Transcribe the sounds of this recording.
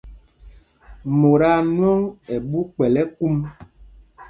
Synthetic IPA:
mo˨ɾa˦˨nwɔ˦ŋɛ˨ɓu˦k͡pɛ˨lɛ˦ku˦m

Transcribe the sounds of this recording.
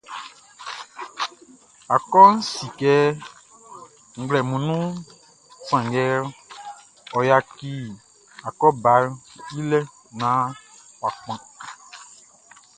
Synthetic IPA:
a˨kɔ˦n̩˦si˨kɛ˦ | ŋ̩˨ɡ͡blɛ˨mũ˨nũ˦ | sã˨ŋɡɛ˦l | ɔ˨ja˨ki˦ | a˨kɔ˦ba˨˦li˦lɛ˦ | nã˦wa˨k͡pã˨

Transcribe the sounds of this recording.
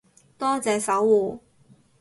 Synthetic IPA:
t̪ɔː˥t͡sɛː˨˧sɐ˨˥wuː˨˩

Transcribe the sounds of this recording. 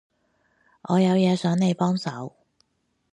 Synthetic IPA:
ʔɔː˨˧jɐ˨˧wjɛː˨˧sœː˨˥ŋne˨˧jpɔː˥ŋsɐ˨˥w

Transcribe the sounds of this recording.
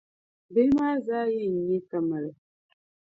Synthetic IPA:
be˦maː˦zaː˦jɛ˦˨ɲe˦kə˨mə˨lə˨

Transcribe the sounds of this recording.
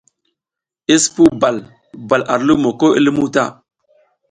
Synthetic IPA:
i˦spu˦ba˨l | ba˨lʔa˨ɾlu˦mo˨ko˦ʔḭ˦lmu˦ta̰˦˨

